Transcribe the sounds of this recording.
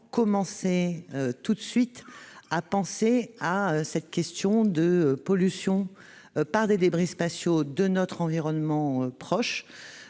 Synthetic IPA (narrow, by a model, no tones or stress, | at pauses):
kɔmɑ̃seøt̪ut̪sɥit̪apɑ̃seaøsɛt̪kʲɛst̪jɔ̃d̪əpɔlysjɔ̃ | paʁd̪ed̪ebʁispasjod̪ənɔt̪χɑ̃viʁɔnmɑ̃øpχɔʃ